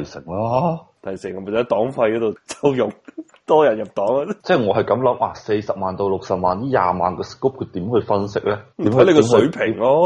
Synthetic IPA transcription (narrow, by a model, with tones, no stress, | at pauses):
jsɪ˨˩ŋlaː˦˥t̪ʰɐ˨˩jsɪ˨˩ŋɔ˨˧mʰː˨˩˨t̪ɔː˨˥ŋfɐ˧jkɔ˨˧˥t̪o˨wt͡sɐ˥wjʊ˨ŋ̚ | t̪ɔː˥jɐ˨˩njɐ˨p̚t̪ɔː˨˥ŋa˧t͡sɛː˥˩ŋɔː˨˧˥ɦɐ˨jkɐ˨˥mlɐ˨˦˥mʔaː˨˧˩se˧jsɐ˨p̚maː˨nt̪o˧wlʊ˨k̚sɐ˨p̚maː˨˩njiː˥ja̰ː˧maː˨˩nkɔː˧skːoː˥p̚kʰɵ˨˧˥t̪iː˨˥mhɵ˨˧ɥfɐ˥nsɪ˥k̚lɛː˦˥tmiː˨˥mʰ˨˦˧le˧kɔ˨˥msɵ˨˥ɥpʰɪ˨˩ŋlɔː˥